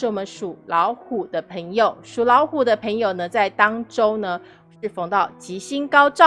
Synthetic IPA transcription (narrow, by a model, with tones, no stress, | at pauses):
ɻ̩˥˩wɔ˨˩mə˦nʂu˨˩lɑ˧˥ʊxu˨˩d̪ə˦pʰə˧˥ŋjo˨˩ʊʂu˨˩lɑ˧˥ʊxu˨˩d̪ə˦pʰə˧˥ŋjo˨ʊnə˦t͡sa˥˩ɪt̪ɑ˥ŋʈ͡ʂo˥ʊnə˧ | ʂɻ̩˥˩fo˥˩ŋt̪ɑ˥˩ʊt͡ɕi˧˥ɕi˥nkɑ˥ʊʈ͡ʂɑ˥˨